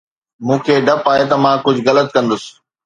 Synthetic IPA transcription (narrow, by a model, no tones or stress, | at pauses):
mũːkʰeːɖɐpaːɦet̪ɐmãːkʊd͡ʑʱɣɐlət̪̚kɐ̃nd̪ʊsɪ̥̆